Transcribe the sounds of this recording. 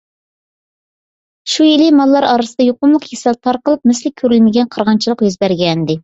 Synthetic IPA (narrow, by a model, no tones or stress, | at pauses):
ʃujilɪmɑlˠːɑɾɑɾɨsəd̪ɑjoqʊnlˠəqjesɛlt̪ʰɑɾqəlˠɨp̚mɪslɪkʲʰːøɾylmɪɡʲɛnqʰɑɾʁɑnt͡ʃʰilˠəqjøzbæɾɡʲɛnɪd̪ɪ